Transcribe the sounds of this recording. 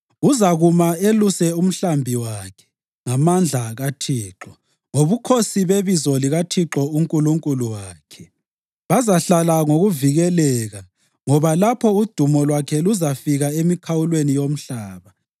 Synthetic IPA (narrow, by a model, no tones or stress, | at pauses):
uzaɣumaelusɛum̩ɬambʱiwaːkʰɛ̥ | ŋamand͡ɮʱaɣatʰiːǁɔ | ŋoβukʰosiβeβizɔliɣatʰiǁɔuŋkʼuluŋkʼuluwaːkʰɛ | βazaɬalaŋoɣuviɣɛlɛɣa | ŋɔβalapʰɔud̥ʱumɔlwakʰɛluzafiɣaemikʰawulwenijom̩ɬaːβa